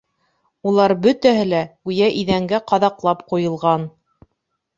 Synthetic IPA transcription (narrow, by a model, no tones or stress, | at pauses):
ulˠɑɾbɵt̪æɦɘlæʉjæʔiðæŋɡæqɑðɑqlˠɑpqujɤ̆lˠʁɑn